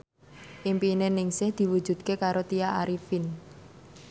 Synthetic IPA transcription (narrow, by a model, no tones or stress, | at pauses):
ʔimpinenɪŋsɪhd̪̥i̤wu̥ʒ̥ṳd̪̚kekaɾot̪ijaʔaɾifin